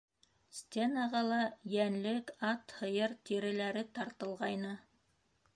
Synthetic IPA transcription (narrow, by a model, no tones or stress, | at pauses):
sʲt̪ʲenɑʁɑlˠɑjænlɘkɑt̪hɤ̆jɤɾt̪ʲiɾɘ̆læɾɘt̪ɑɾt̪ɤ̆lˠʁɑjnɤ